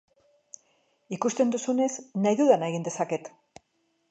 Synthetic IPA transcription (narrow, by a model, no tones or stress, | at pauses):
ikust̪e̞nd̪usune̞znajðuðanaeɣ̞ind̪e̞sake̞t̪